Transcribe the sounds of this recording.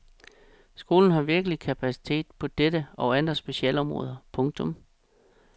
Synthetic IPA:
sɡ̥o̝ːln̩ɦɑ̈ʋiɐɡ̥əlikʰæpʰæsi̥t͡sʰe̝̰ːd̥pʰɒ̽d̥ed̥əɒ̽ʊænd̥ʁɐsb̥e̝ɕiɛ̰lɒ̽mʁɔ̰̽ːð̞ˠɐpʰɔ̽ŋt͡sʰɔ̽m

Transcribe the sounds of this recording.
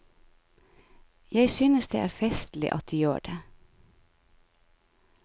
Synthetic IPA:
jæɪsyːnəsd̪ḛːʔæːɾfɛst̪l̩ɪ̰ʔɑt̪̚d̪yːjø̰ːɖeː

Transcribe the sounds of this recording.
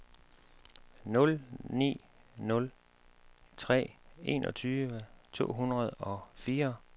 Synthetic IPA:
nɔ̽lnḭː | nɔ̽l | t͡sʰʁɛ̰ːe̝̰nʔɒ̽t͡sʰyːʋət͡sʰo̝̰ːɦunʁɐð̞ˠɒ̽fiːɐ

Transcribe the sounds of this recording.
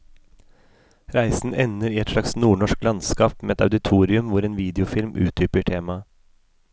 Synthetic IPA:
ɾæɪsn̩ʔɛnəɾiːɛt̪ʂlɑksnuːɳɔʂklɑnskɑːpmeːɛt̪ɑʉd̪ɪt̪ʰuːɾɪʉmʋʊɾeːnʋiːd̪ɪʊfɪlmʔʉ̰ːt̪̚d̪yːpəʈʰeːmɑ

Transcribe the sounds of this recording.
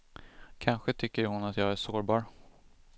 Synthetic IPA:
kʰanɧət̪ʰʏkːəɾhʊnat̪jɑːɡæʂoːɾbɑːɾ

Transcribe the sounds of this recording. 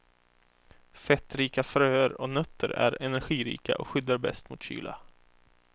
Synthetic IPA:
fɛt̪ɾiːkafɾøːəɾɔnœt̪ʰːəɾæ̰ɾɛnæɾɧiːɾḭːka̰ʔɔkɧʏd̪ːaɾbɛ̰st̪mʊːt̪ɕy̰ːla̰

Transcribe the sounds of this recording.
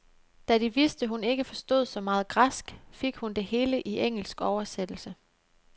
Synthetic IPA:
d̥æɾ̥iʋisd̥əɦune̝ɡ̥əfɒ̽sd̥o̝ð̞̰ˠsɒ̽mɑ̈ːð̞̩ˠɡ̥ʁasɡ̥feɡ̥hund̥e̝he̝ːləʔieŋ̰l̩sɡ̥ɒʊɐsed̥l̩sə

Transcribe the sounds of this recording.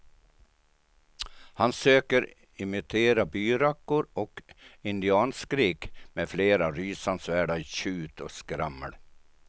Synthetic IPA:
hansøːkəɾ | ɪmɪt̪ʰeːɾabyːɾakːʊɾɔkɪnd̪ɪɑːnskɾiːkmeːfleːɾaɾyːsansvæːɖaiɕʉːt̪ʰɔskɾamːəɽ

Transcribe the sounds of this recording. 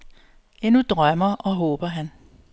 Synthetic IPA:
enud̥ʁɶmɐʔɒ̽ɦɔːb̥ɐɦæn

